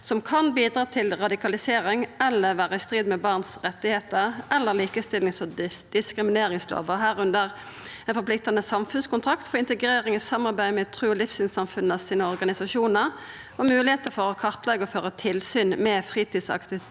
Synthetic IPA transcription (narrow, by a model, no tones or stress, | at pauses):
sɔmkʰɑnbiːd̪ʁɑːt̪ʰɪlʁɑd̪ɪkɑlɪseːɾɪŋɛlːəɾʋæːʁəɪst̪ʁiːd̪mɛbɑʁnsʁɛt̪ːɪheːt̪əʁɛlːəɾliːkəst̪ɪlɪŋsɔd̪̥ɪskɾɪmɪneːɾɪŋslo̰ːʋəɦæːʁʉnd̪əʁ | ɛnfɔɾplɪk̚t̪ɑnəsɑmfʉnskʊnt̪ʰɾɑkt̪fɔɾɪnt̪əɡʁeːʁɪŋɔsɑmːɑɾbæɪmɛt̪ʰʁʉːɔlɪfsɪnsɑmfʉnːəɑsiːnəɔɾɡɑnɪsɑʃuːnəɾ | ɔmʉːlɪheːt̪əfɔɾɔkʰɑʁt̪lɛɡəɔføːʁət̪ʰɪlsyːnmɛfʁiːt̪iːd̪sɑ̰kt̪ɪ